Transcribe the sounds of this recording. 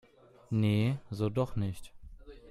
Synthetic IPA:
nezoːdɔχnɪçt

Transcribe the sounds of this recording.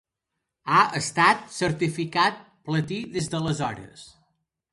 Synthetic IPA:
aəst̪at̪̚səɾt̪ifikat̪̚ | plət̪iðezðələzɔɾə̰s

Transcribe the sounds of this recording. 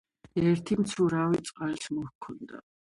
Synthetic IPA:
ɛɾt̪ʰimt̪sʰuɾawit̪sʼqʼalsmɔhkʰɔnd̪a̰

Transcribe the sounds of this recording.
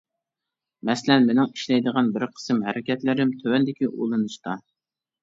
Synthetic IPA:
mɛsɪlɛnmenɪŋiʃlɛjd̪əʁɑnbɪɾqʰə̥sɨmɦɛ̰ɾʔɪkʲɛt̪lɪɾɪmt̪ʰøwɛnd̪ɪkʲiʔo̰lˠɨnɨʃt̪ɑ

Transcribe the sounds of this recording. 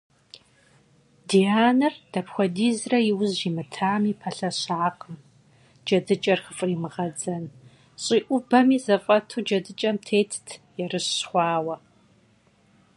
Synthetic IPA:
diaːnɐrd̥ɐpxʷɔdiːzrɐjɪwzʒiːmɨtʰaːmiːpʰɐɬɐɕaːqəm | d͡ʒɐdɨt͡ʃʼɐrxəfʼriːmɨʁɐd͡zɐn | ɕʼiːʔʷʊbɐmiːzɐfʼɐtʰuːd͡ʒɐdɨt͡ʃʼɐmtʰeːtʰtʰjɛrɨɕɕχʷɑːwɐ

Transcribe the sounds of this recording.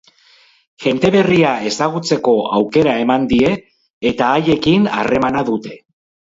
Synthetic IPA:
ʝe̞nt̪e̞βe̞riae̞saɣ̞ut͡se̞ko̞awke̞ɾae̞mand̪ie̞ː | t̪aːje̞kina̰re̞manaðut̪e̞

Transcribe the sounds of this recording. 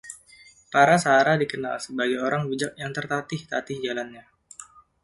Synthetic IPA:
paɾasaːɾadikəna̰lsəbaɡajoɾaŋbid͡ʒak̚jaŋt̪ərt̪at̪ɪht̪at̪ɪhd͡ʒalanɲa

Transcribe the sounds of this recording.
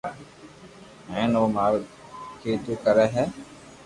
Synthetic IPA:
ɦɛ̃ːnoːmaːɾkʰeːt̪uːkəɾɛːɦɛː

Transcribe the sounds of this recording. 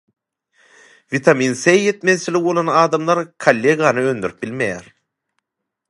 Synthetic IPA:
vit̪ʰɑmiːnsejjet̪meðt͡ʃʰilikβo̞lˠonɑːd̪ɑmlˠɑɾkʰalʲːeɡɑnɯø̞nd̪yɾyp̚bilmejæɾ

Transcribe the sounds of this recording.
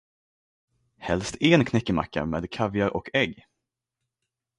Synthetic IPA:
hɛlst̪ɛnkʰnɛkːəma̰kːa̰meːd̪kʰavjaɾʔɔkʰɛɡː

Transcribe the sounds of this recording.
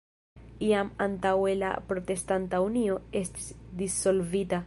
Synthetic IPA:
iamantawe̞la̰pɾo̞te̞stantaunio̞e̞sti̥sdiso̞lvita

